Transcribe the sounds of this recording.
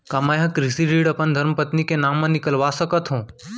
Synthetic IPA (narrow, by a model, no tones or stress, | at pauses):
kamajɦɐ̃kɾɪsiɾiːɽɐpənd̪ʱɐɾmpət̪nikenaːmːɐ̃nɪkəlʋasəkət̪ɦũː